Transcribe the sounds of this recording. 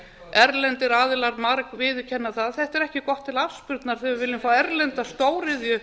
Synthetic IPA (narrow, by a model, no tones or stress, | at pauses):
ɛɾlɛnt̪ɪɾaːðɪlaɾmaɾkvɪðʏcʰɛnːaθaðθɛht̪ɛɾɛhcɪkɔht̪ʰːɪlafspʏɾt̪naɾ̥θɛaɾvɪlɪmfaːwɛɾlɛnt̪ast̪oːwɾɪðjʏ